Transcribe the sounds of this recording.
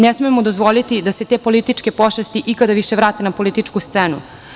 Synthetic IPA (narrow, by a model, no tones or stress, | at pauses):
nesmiemod̪ozʋo̞lit̪id̪ase̞t̪epo̞lit̪it͡ʃke̞poʃest̪iʔikad̪aʋiʃeʋɾaːt̪enapo̞lit̪it͡ʂkust̪seːnṵ